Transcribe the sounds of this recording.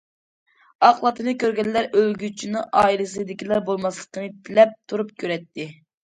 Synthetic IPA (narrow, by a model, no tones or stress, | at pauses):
ɑqlˠɑt̪ʰɨnɨkʲøɾɡʲɛnlːæɾʔølɡʲyt͡ʃʰinɨʔɑːilɪs̬ɨd̪ɪkʲilˠɑɾbolˠmɑslˠə̥qʰəmɨpʰɪlɛp̚t̪ʰuɾup̚kʲʰøɾɛt̪ʰːɪ